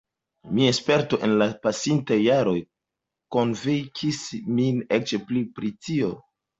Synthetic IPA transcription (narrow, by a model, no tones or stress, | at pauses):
miaespe̞ɾto̞ʔe̞nlapasintajːaɾo̞j | ko̞nvikʰisminet͡ʃplipɾitio̞